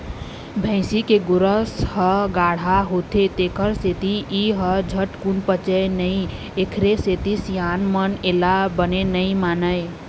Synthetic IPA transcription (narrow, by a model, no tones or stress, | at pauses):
bʱə̃ɪ̃sikeɡʊɾəshəɡaɽ̤aɦot̪ʰet̪ekʰəɾset̪iiɦəd͡ʒʱəʈkunpət͡ʃənəɪ | ekʰɾeset̪isjanmənelabənenəɪmanəj